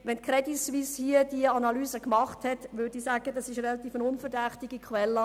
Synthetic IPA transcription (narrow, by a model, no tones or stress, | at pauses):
ʋɛnkʰɾɛdisʋishiəd̥iəɑnɑlyːzəkmɑχthɛtʋʏdisaːɡəd̥ɑsɪʃrɛlɑt̪iːfənʊnfəɾdæχtɪɡikʰχwɛlːə